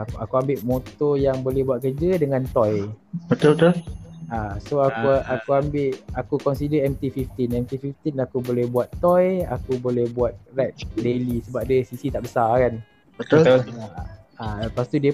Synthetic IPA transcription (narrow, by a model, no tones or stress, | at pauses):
akuambɪʔmot̪ojaŋbolɛhbuat̪̚kəd͡ʒədəŋãnt̪ɔjbət̪obət̪olasoakuakuambɪʔakukɔnsidəɛmt̪ifift̪inɛmt̪ifift̪inakubolɛhbuat̪ːɔja̰kubolɛhbuat̪̚rɛt̚delisəbap̚diəsisit̪aʔbəsakan | bət̪oo | apast̪udiə